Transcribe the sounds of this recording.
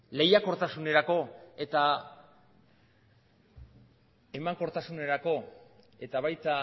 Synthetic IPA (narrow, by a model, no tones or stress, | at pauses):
le̞jako̞ɾt̪asune̞ɾako̞e̞t̪a | e̞maŋko̞ɾt̪asune̞ɾako̞ | e̞t̪aβajt̪a